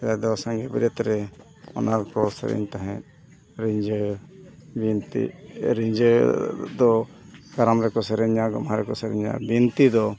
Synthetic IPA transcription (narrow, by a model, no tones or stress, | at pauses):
ɛlad̪ɔsãŋɡɛbiɾɛt̪ɾɛ | ɔ̰naɾkɔsə̰ɾɛ̰ɲt̪aɦɛ̃t̪̚ | ɾiɲd͡ʒ | it̪iɾiɲd͡ʒ | d̪ɔkaɾamɾɛkɔsɛɾɛɲaɡɔ̰mɦaɾɛkɔsɛɾɛ̰ɲa̰bint̪id̪ɔ